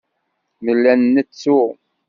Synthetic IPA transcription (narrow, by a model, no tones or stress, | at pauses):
məlːænnːət͡sːu